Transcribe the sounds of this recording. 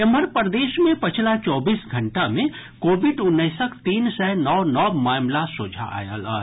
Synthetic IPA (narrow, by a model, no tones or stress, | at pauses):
əməɾpəɾd̪eːʃmẽpət͡ʃʰlat͡ʃɔːbiːsɡʱəɳʈamẽ | koːbiɖʊnːəɪsəkt̪iːnsɛɦnɔwnɔmaːmlasud͡ʒʱa̰a̰ːjə̰lə